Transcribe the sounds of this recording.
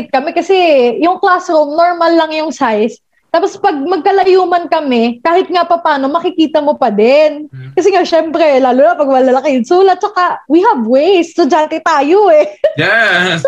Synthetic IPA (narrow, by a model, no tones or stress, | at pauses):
ɪt̪̚kɐmɛkɐsɛjʊŋklasɾomnoɹmɐlːɐŋjʊŋsajs | t̪aːpospɐɡ̚mɐɡ̚kɐlɐjuːmɐnkɐmɛkaːhɪt̪̚ŋapɐpaːno̞mɐkɪkiːt̪ɐmopɐd̪ɛnkɐsɛŋaʃɛmpɾɛlaːluːnapɐɡwɐlɐlɐkejɪnsuːlɐt̪̚t͡ʃɐkawihɐvwejst̪ʊd͡ʒaːnt̪ɪt̪aːjoɛ